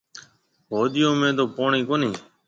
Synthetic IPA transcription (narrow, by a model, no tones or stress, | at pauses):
ɦoːɗ̪ɪjõːmẽːd̪oːpoːɳiːkoːniː